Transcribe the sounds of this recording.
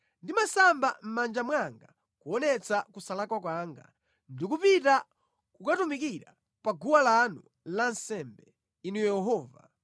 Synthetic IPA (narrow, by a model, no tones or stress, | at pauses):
ndimasambam̩mand͡ʒamwaŋɡa | kuɔnɛt͡sakusalakwakwaːŋɡa̰ | ndikupita | kukatumikiɾa | paɡuwalanu | lansɛmbɛ | inujɛɦɔːva̰